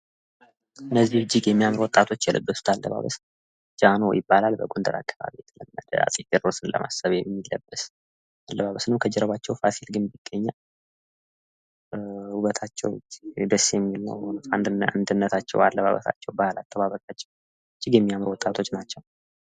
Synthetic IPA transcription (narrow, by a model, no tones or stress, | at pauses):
ɨnːəzːihɨd͡ʒːɪɡjɛmːijamɾwɔt̪ʼat̪ʰo̞t͡ʃːjɛlʔɨ̰bːəsu̥t̪ʰalːəβa̰βəs | d͡ʒano̞̰jɪbːalalbəɡond̪əɾakʰːaβa̰βijɛt̪ʰələmːəd̪əa̰sʼit̪ʼəɾosɨnlə̰mʔa̰səβjɛmːilːə̰bːəs | alːəβaβəsnəwkʰəd͡ʒɛɾəβat͡ʃːɛwfasilɡɨnbiɡ̥ːəɲːa | huβət̪ʰat͡ʃːɛ̰wd͡ʒd̪əsːjɛmːilnə̰whnut̪and̪ɨa̰nd̪ɨnːət̪ʰat͡ʃːɛ̰walːəβaβə̰sa̰t͡ʃːɛwbahalat̪ʼːəβaβəkʼat͡ʃːɛw | d͡ʒːɪɡjɛmːijamɾwɔt̪ʼːat̪ʰo̞t͡ʃːnat͡ʃːɛw